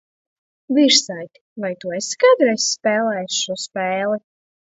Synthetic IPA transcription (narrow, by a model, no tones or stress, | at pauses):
viɾsajt̪ʲi̥vajt̪uːeskajd̪ɾɛsspɛːlˠɛjsʃuɔspɛːlˠɨ